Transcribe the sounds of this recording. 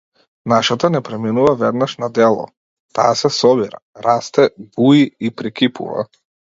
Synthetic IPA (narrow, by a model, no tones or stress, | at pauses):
naʃat̪anɛpɾɛminuvavɛd̪naʃnad̪ɛlˠɔ̰ | t̪aːsɛsɔbiɾa̰ɾast̪ɛbuiipɾikipʰṵva̰